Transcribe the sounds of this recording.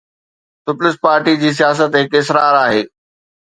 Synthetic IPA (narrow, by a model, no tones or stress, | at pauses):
sʊplɪspaːɾʈid͡ʑiːs̬ijaːs̬ət̪ɦɪkɪsɾaːɾaːɦeː